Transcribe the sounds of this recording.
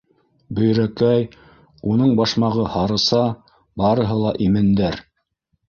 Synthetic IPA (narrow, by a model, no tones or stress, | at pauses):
bɵ̆jɾækæj | unɤɴbɑʃmɑʁɤhɑɾɤ̆sɑ | bɑɾɤ̆ɦɤlˠɑʔimɘ̆nd̪æɾ